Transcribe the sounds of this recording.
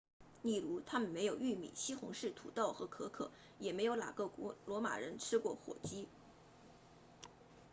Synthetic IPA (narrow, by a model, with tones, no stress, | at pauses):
li˥˩ɻu˧˥t̪ʰa˥mə˨nme˧˥ɪjo˨˩ʊy˥˩mḭ˨˩ɕi˥xʊ̰˧˥ŋʂɻ̩˥˩t̪ʰu˨˩t̪ɑ˥˩ʊxɤ˧˥kʰɤ˧˥kʰɤ̰˨˩˦ | jɛ˨˩me˧˥ɪjo˧˥ʊna̰˨˩ɡɤ˥˩˧lwɔ˧˥ma̰˨˩ɻə˧˥nʈ͡ʂʰɻ̩˥kwɔ˥˩xwɔ̰˨˩t͡ɕi˥